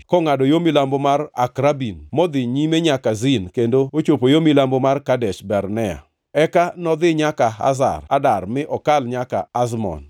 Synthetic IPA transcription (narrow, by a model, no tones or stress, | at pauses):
kɔŋadɔjomilambomara̰kɾabinmɔd̪ɪɲimeɲakazɪnkendoot͡ʃopojomilambomarkadɛʃbɛɾnɛa̰ | ɛkanɔd̪ɪɲakaa̰za̰radarmɪʔɔkalɲaka̰ːzmɔ̰n